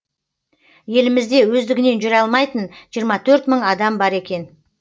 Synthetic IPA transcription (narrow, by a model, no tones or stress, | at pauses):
je̞lɪmɪzd̪e̞wɵzd̪ɪɡʲɪne̞nʒʏɾɑlˠmɑjt̪ənʒijəɾmɑt̪ʰɵɾt̪məɴɑd̪ɑmbɑɾe̞kʲe̞n